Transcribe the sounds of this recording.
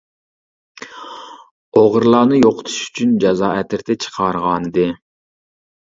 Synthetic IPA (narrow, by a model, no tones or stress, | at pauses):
oʁəɾlˠɑːnɨjoqʰʊ̥t̪ʰu̥ʃy̥t͡ʃʰynd͡ʒɑzɑːɛt̪ʰɪɾt̪ʰɛt͡ʃʰə̥qʰɑɾʁɑnɨd̪ɨ